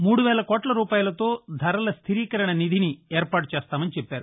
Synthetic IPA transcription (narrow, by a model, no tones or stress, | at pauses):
muːɽuʋɛːlɐkoːʈlɐɾuːpaːjɐlɐt̪o̞ːd̪ʱɐɾɐlɐst̪ʰiɾiːkɐɾɐɳɐnid̪ʱinieːɾpaːʈu̥t͡ʃɛːst̪aːmɐnit͡ʃɛpːaːɾu